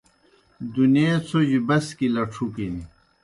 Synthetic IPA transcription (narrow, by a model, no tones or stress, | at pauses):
d̪unet͡sʰod͡ʑibɐskilɐʈ͡ʂʰukini